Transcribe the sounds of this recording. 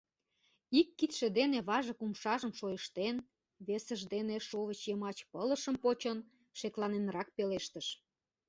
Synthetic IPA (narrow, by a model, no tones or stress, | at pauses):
ikːit̪ʃĕd̪eneβɑʒə̆kumʃɑʒəmʃojəʃt̪en | βesəʒd̪eneʃoβət͡ɕjəmɑt͡ɕpələʃəmpot͡ɕən | ʃeklɑnenrɑk̚peleʃt̪əʃ